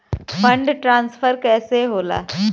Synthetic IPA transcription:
fəɳɖʈɾãnsfəɾkɛseɦola̰

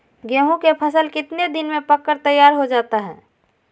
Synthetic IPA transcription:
ɡẽːɦũkepʰəsəlkɪt̪ned̪ɪnmẽpəkːəɾt̪əjːaːɾɦod͡ʒaːt̪aɦɛ̰̃ː

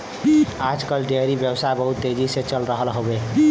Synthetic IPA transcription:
ad͡ʒkʌlɖ̪eɾibjəbsajbʌɦut̪ːed͡ʒiset͡ʃʌlɾəɦəlɦobe

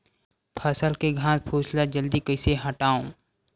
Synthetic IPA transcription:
pʰəsəlkeɡʱãːspʰuːslad͡ʒəld̪ikəɪseɦəʈaːõ

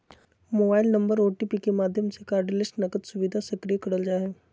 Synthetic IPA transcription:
moːbaːɪlnɐ̃mbəɾoːʈipikemaːd̪ʱjəmsekaːɾɖlɪsʈnɐkət̪sʊʋid̪ʱasɐkɾijekɐɽəld͡ʒaːɦeː

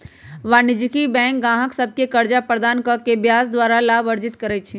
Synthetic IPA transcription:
ʋaːnɪd͡ʒkibɛ̃ːŋk̚ɡãːɦəksəb̚kekɐɾd͡ʒapɾəd̪aːnkəkebjaːsd̪ʋaːɾalaːʋəɾd͡ʒɪt̪kəɾɛt͡ʃʰi

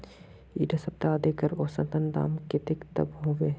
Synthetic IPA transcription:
ḭːɖɐsɐb̚t̪aːd̪ekəɾoːsɐ̃t̪ənd̪a̰ːmket̪ɪkt̪ɐ̰bɦoːʋeː

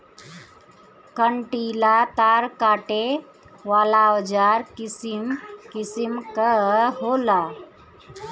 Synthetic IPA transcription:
kəɳʈilat̪aɾkaʈe | ʋaːlawəd͡ʒaɾkisimkisimkəɦola

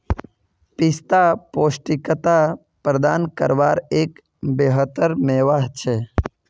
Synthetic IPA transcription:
pɪst̪apoːsʈikət̪a | pɾəd̪aːnkə̰ɾʋaːɾeːk | beːɦət̪əɾmeːʋaːɦt͡ʃʰe

